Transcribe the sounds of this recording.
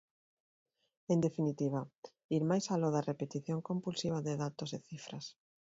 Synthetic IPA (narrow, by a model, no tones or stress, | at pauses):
end̪efinit̪iβ̞ɐ | iɾmajsaloðɐrepet̪iθjoŋkompulsiβ̞ɐðeðat̪oseθifɾɐs